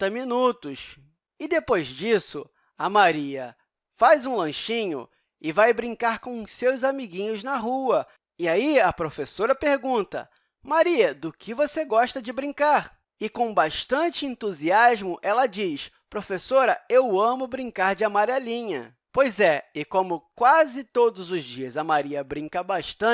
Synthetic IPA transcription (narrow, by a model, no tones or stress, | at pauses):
ɐminut̪ʊs | ɪd̪epojzd͡ʒisʊ̰ | ɐmaɾiɐ̰ | fazũlɐ̃ʃĩɲʊ̰ | ɪvajbɾĩŋkaɾkõsewzamiɡĩɲʊznɐɦuɐ | ɪaiɐpɾofesoɾɐpeɾɡũnt̪ɐ̰ | maɾiɐd̪ʊkʰɪvoseɡɔʃt̪ɐd͡ʒɪbɾĩŋkaɾ | ɪkõw̃baʃt̪ɐ̃t͡ʃɪẽnt̪uziazmʊʔɛlɐd͡ʒiʃ | pɾofesoɾɐewɐ̃mʊbɾĩŋkaɾd͡ʒɪɐmaɾalĩɲɐ̰ | pojzɛɪkõmʊkwazɪt̪od̪ʊzʊzd͡ʒiɐzɐmaɾiɐbɾĩkɐbaʃt̪ɐ̃